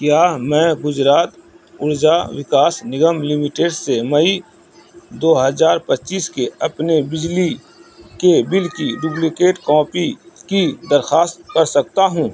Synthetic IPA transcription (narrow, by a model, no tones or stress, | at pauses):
kjaːmɛ̃ːɡʊd͡ʒɾaːt̪ | ʊɾd͡ʒaʋɪkaːsnɪɡəmlɪmiʈeːɖsemɐi | d̪oːɦɐzaːɾpɐtːt͡ʃiːskeɐpnebɪd͡ʒli | kebɪlkiɖʊblikeːʈkɔ̃ːpikid̪ɐɾxaːst̪kɐɾsɐk̚t̪aɦũː